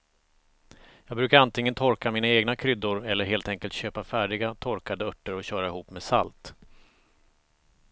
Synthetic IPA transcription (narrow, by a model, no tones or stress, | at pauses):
jɑːɡbɾʉ̟ːkaɾant̪ʰɪŋːənt̪ʰɔɾkamiːnaeːɡnakʰɾʏd̪ːʊɾɛlːəɾɦeːlt̪ɛŋkəlt̪ɕøːpafæːɖɪɡat̪ʰɔɾkad̪əœʈːəɾɔɕœːɾaɪhuːpmeːsa̰lt̪